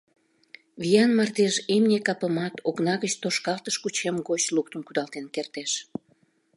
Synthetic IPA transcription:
βʲijɑnmɑrt̪eʒemnʲekɑpəmɑt̪ʰoknɑɣət͡ɕt̪oʃkɑlt̪əʃkut͡ɕemɡot͡ɕluk̚t̪əmkud̪ɑlt̪enkert̪eʃ

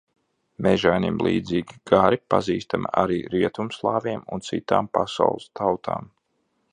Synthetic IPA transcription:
mɛʒajnḭmlˠḭːd̪ziːɡʲiɡaɾipa̰ziːst̪amaɾiːɾiɛt̪umslˠaːviɛmṵnt̪sit̪aːmpasa̰wlˠɨst̪ʰawt̪ʰa̰ːm

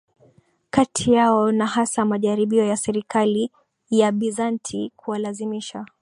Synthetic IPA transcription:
katʰijaɔnaɦasamaʄaɾiɓiɔjasɛɾikali | jaɓizantʰikʰualazimiʃa

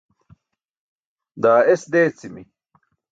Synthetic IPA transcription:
d̪aːesd̪eːt͡simi

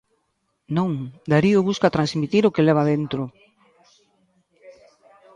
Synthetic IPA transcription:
nõŋd̪aɾiʊβuskat̪ɾansmit̪iɾokelɛβ̞aðent̪ɾʊ

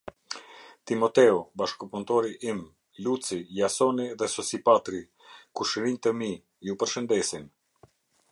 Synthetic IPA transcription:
t̪imɔt̪ɛɔbaʃkɔpunt̪ɔɾiʔim | lut͡sijasɔniðɛsɔsipat̪ɾi | kuʃəɾint̪əmi | jupəɾʃənd̪ɛsin

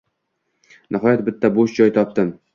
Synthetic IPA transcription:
nʔɪɦɒjat̪bɪt̪ʰːaboʃd͡ʒɒjt̪ʰɒp̚t̪ɪm

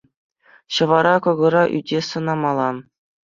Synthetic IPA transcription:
ɕɤ̆ʋɑɾɑkɤ̆ɡɤ̆ɾɑʔy̰dʲesɤ̆nɑmɑlˠɑn

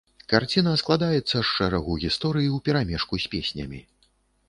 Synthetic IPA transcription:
kart͡sʲinɐsklˠad̪ajɛt̪sːɐʂːɛɾaɣuɣʲist̪ɔɾɨjiwpʲɛɾamʲɛʂkusʲpʲesʲnʲɐ̰mʲḭ

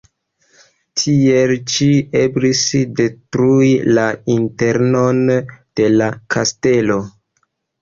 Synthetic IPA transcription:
tʰielt͡ʃieblisde̞tɾuilainte̞ɾno̞nd̥e̞lakʰaste̞lo̞

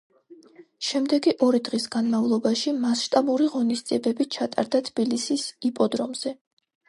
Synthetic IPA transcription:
ʃɛmd̪ɛɡiʔɔɾid̪ʁisɡanmavlˠɔbaʃimasʃt̪ʼabuɾiʁɔnisd̪ziɛbɛbit͡ʃʰat̪ʼa̰ɾd̪at̪ʰb̥ilisisipʼɔd̪ɾɔmz̥ɛ

